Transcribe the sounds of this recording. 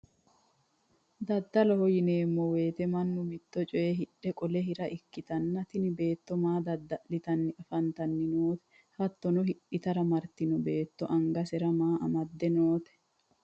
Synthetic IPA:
d̪ɐd̪ːɐlɔhɔjɪneːmːɔwe̞ːt̪ɛmɐnːʊmɪt̪ːɔt͡ʃʼɔʔeɦɪᶑɛkʼɔlɛɦɪɾɐʔɪkːɪt̪ɐnːɐt̪ɪnɪbe̞ːt̪ːɔmaːd̪ɐd̪ːɐʔlɪt̪ɐnːɪɐfɐnt̪ɐnːɪnoːt̪ɛ̥ | hɐt̪ːɔnʊɦɪᶑɪt̪ɐɾɐmɐɾt̪ɪnʊbe̞ːt̪ːɔʔɐŋɡɐsɛɾɐmaːʔɐmɐd̪ːɛnoːt̪ɛ̥

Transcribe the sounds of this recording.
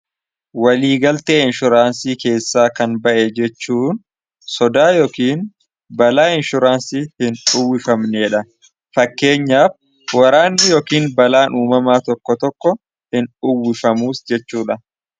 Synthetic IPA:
wɐliːɡɐlt̪eːɪnʃʊɾaːnsiːke̞ːsːaːkɐnbɐʔɛd͡ʒɛt͡ʃːuːn | sɔd̪aːjɔkiːn | bɐlaːɪnʃʊɾaːnsiːhɪnʊwːɪfɐmneːᶑɐ | fɐkːe̞ːɲːaːf | wɐɾaːnːɪjɔkiːnbɐlaːnʔuːmɐmaːt̪ɔkːɔt̪ɔkːɔ | hɪnʊwːɪfɐmuːsd͡ʒɛt͡ʃːuːᶑɐ

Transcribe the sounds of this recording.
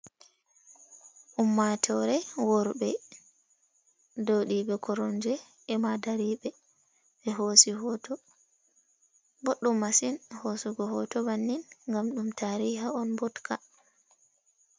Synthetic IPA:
ʔumːatʰɔɾɛwɔɾɓɛ | dɔwɗiɓɛkʰɔɾɔnd͡ʒɛː | madaɾiːɓɛ | ɓɛɦosiɦɔtɔ | boɗːumːasinhosuɡɔhɔtɔbanːinŋɡamɗumtʰaːɾihaɔnbɔtkʰa

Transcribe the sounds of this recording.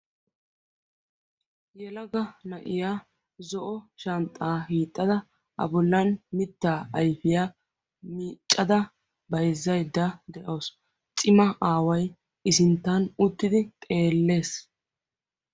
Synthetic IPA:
jɛlɐɡɐnɐʔɪjaː | zɔʔɔʃɐnt̪ʼːaːhiːt̪ʼːɐd̪ɐ | ʔɐ̰bʊlːɐnmɪt̪ːaːɐjfɪjaː | miːt͡ʃʼːɐd̪ɐ | bɐjzːɐjd̪ːɐd̪ɛʔɐwːs | t͡sʼɪmɐʔaːwɐj | ɪsɪnt̪ːɐnʊt̪ːɪd̪ɪt̪ʼe̞ːlːe̞ːs

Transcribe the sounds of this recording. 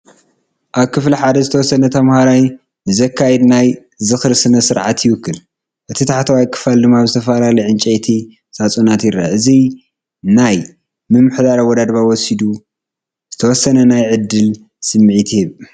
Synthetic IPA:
ʔaβkʰɨfliħad̪ɐzɨt̪ʰɐwɔsːɐnɐt̪ʰɐmhaɾaj | ɨzɐkʰːajɛd̪naj | zɨxɾsɨnɐsɨɾʕat̪jɪwʊkːɨl | ʔɨt̪ʰit̪ʰaħt̪ʰawajkʰʼːɨ̥fald̪ɨmːaβzɨt̪ʰɐfɐlalɐjʕɨnt͡ʃʼɛjt̪ʰi | sʼat͡sʼunat̪jɪɾːa̰ʔɨzi | naj | mɨmːɨħd̪aɾawɔd̪ad̪bawɔsid̪u | z̥ɨt̪ʰɐwɔsːɐnɐnajʕɨd̪ːɨl | sɨmːʕit̪ʰhɨβ

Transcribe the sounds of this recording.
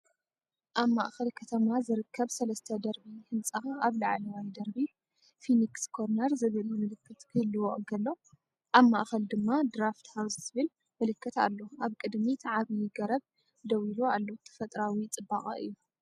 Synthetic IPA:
ʔaβma̰ʔxɐlkʰɐt̪ʰɐmazɨɾɨkʰːɐβsɐlɐst̪ʰɐd̪ɐɾbihɨnt͡sʼɐxaaβlaʕlɐwajd̪ɐɾbi | finikskʰo̞ɾnɐɾzɨβɨlɨmɨlɨkʰːɐt̪kʰɨhɨlːɨwoʔɡɐlːo | ʔaβmaʔxɐld̪ɨmːad̪ɾaft̪hawzzɨβɨl | mɨlɨkːɐt̪a̰lːo̞aβkʼɨd̪mit̪ʰaʕaβijɪɡɐɾɐβ̚ | d̪ɐwiloalːo̞t̪ʰɐ̥fɐt̪ʼɾawit͡sʼɨbaχʼɐ̰ɨ̰jːu

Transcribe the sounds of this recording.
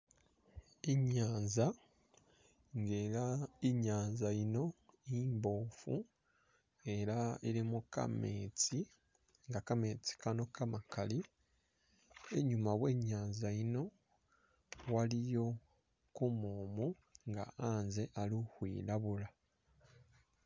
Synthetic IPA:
iɲaːnza | ŋɡeaiɲaːɲzaino̞iːmbo̞ːfu | e̞ɾaiɾimuka̰meːt͡si | ŋɡakame̞ːt͡si̥kano̞kamakali | e̞ɲumaβwe̞ːɲaːnzaino̞ | walijo̞ | kumuːmu | ŋɡa̰aːnze̞ʔaluhwḭːlaβula

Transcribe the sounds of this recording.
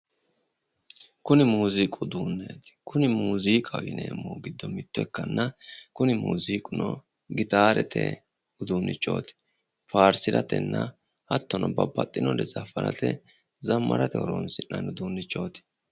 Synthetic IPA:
kʊnɪmuːzikʼʊd̪uːnːeːt̪ɪ̥kʊnɪmuːziːkʼɐwɪneːmːoːɡɪd̪ːɔmɪt̪ːʊɛkːɐnːɐkʊnɪmuːziːkʼʊnɔ | ɡɪt̪aːɾɛt̪ʰɛ̰ | ʊd̪uːnːʔɪt͡ʃʼːo̞̰ːt̪ɪ̥ | faːɾsɪɾɐt̪ɛ̰nːɐ | hɐt̪ːɔnʔɔbɐbːɐt̪ʼːɪnɔd̪ɛzɐfɐɾɐ̰t̪ɛ̰ | zɐmːɐɾɐt̪ɛhɔɾonsɪnːɐnʊd̪uːnːɪt͡ʃʼːo̞ːt̪ɪ̥

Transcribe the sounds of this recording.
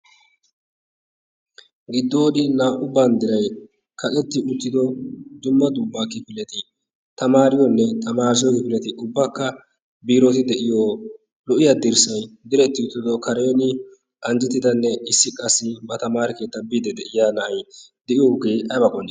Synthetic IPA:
ɡɪd̪ːoːd̪ɪnaːʔʊband̪ɪɾɐj | kʰɐtɛt̪ːɪʔʊt̪ːɪd̪ɔd͡ʒ̪ʊmːɐd̪ʊbːakɪpɪlɛt̪ɪ | t̪ɐmaːɾɪjɔnːɛt̪ʰɐmaːs̬ɪjɔkɪpɪlɛt̪ɪʔʊbːɐkːɐ | biːɾɔt̪ɪd̪ɛʔɪjo | lɔʔɪjɐd̪ɪɾsɐjd̪ɪɾɛt̪ːɪʊt̪ːɪd̪ɔkɐɾɛjɔnɪ | ʔɐnd͡ʒɛt̪ːɪd̪ɐnːɛɪsːɪkʼɐsːɪbɐt̪ɐmaːɾɪke̞ːt̪ːɐbɪd̪ɛd̪ɛʔɪjaːnɐʔɐj | d̪ɛʔɪjɔhʊɡe̞ːɐbɐkʼɔnːɪ

